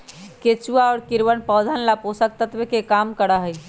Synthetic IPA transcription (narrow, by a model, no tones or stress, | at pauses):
ket͡ʃuaɔːɾkiɾwənpəd̪ʱənlaposək̚t̪ət̪ʋekekamkəɽəɦəj